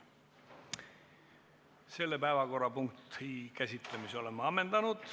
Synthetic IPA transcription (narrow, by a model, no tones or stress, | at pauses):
se̞lːepæevɑko̞rːɑpuŋkt̪hikæsʲit̪ˑle̞miso̞le̞mːɑɑmːe̞nd̪̥ɑnud̪̥